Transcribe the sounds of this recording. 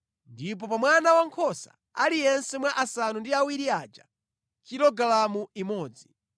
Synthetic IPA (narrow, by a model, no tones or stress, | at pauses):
ndip̬ɔpamwanawaŋkʰɔsa̰ | alijɛnsɛmwaʔasanundiawiɾiaːt͡ʃa | kiɾɔɡalamuimɔːd͡zi